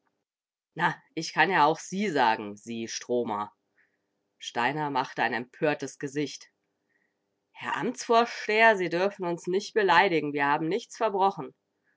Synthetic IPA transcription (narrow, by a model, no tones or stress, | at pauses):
naʔɪçkʰanjaːaʊxz̥iːzaːɡŋ̩ziːʃtʁ̥oːmɐ̰ | ʃtaɪnɐmaχtəaɪnɛmpʰøːɐtəsɡ̥əzɪçt | hɛɐʔa̰mt͡sfoːɐʃteːɐziːdʏɐfn̩ʊnsnɪçt̚b̥əlaɪɾɪɡŋ̩viːɐhaːbm̩nɪçt͡sfɛɐbʁɔχn̩